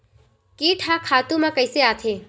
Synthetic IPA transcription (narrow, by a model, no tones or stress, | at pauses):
kiʈʰakʰat̪umãkəjseat̪ʰe